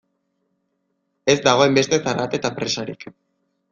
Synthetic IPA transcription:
e̞zd̪aɣ̞o̞e̞mbe̞st̪e̞θaɾat̪et̪apɾe̞saɾik

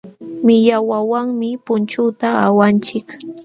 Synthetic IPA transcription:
mɪʎawawaŋmɪpʊnt͡ʃʊt̪aawant͡ʃɪk

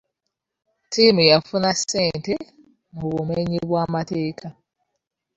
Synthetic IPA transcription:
tʰiːmujafunasːeːnte | muβumeɲiβwaːmate̞ːkʰa

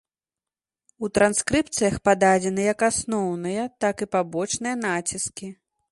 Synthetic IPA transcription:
ut̪ɾanskɾɨp̚t̪sɨjɐxpad̪ad͡zʲɛnɨjɐkasnɔwnɨjɐt̪akɨpabɔt͡ʂnɨjɐnat͡sʲiskʲi

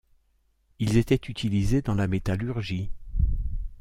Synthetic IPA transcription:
ilzet̪ɛt̪yt̪ʰilized̪ɑ̃lamet̪alyʁʒi

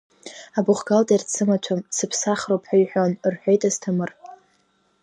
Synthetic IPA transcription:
abʊχɡaltʼirt͡sʰɨmat͡ʃʷʰamsɨpʰsaχrowpʰħaɥħʷᶣonrħʷᶣejtʼaztʰamɨr

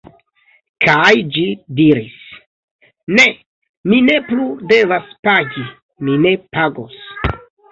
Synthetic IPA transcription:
kʰajd͡ʒidiɾis | ne̞ | mine̞plude̞vaspaɡi | mine̞paɡos

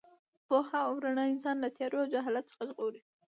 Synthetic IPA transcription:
pohaawɾaɳɑɪnsɑnlat̪jɑɾoawd͡ʒaɦɑlat̪t͡sə̥xaʒɣoɾi

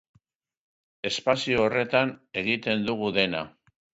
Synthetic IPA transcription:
e̞spasioːre̞t̪ane̞ɣit̪e̞nd̪uɣuðe̞na̰

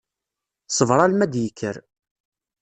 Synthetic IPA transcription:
sˤəvɾˤɑlmæd̪jəkʰːəɾ

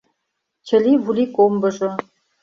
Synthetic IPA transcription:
t͡ɕɘ̆liβulʲikombɤ̆ʐɤ̆

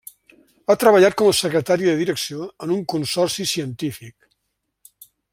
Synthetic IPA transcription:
at̪ɾəβəʎat̪̚kɔməsəkɾət̪aɾiðəðiɾəksioənuŋkunsɔrsisiənt̪ifik

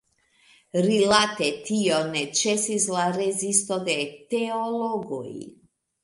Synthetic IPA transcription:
ɾilat̪ɛt̪ʰijɔnɛt͡ʃɛsizlˠaɾɛzist̪ɔd̪ɛt̪ɛɔlˠɔɡɔḭ

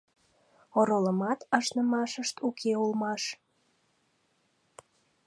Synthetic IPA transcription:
oɾoləmɑt̪ɑʃnəmɑʃəʃt̪ukʰeulmɑʃ

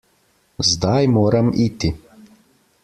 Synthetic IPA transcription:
zd̪ajmoːɾamiːt̪i

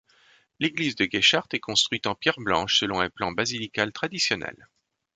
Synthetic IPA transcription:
leɡlizd̪əɡʲeʃaʁt̪ɛkɔ̃st̪χwɥit̪ɑ̃pjɛʁblɑ̃ʃsəlɔ̃ɛ̃plɑ̃bazilikalt̪χad̪isjɔnɛ̰l

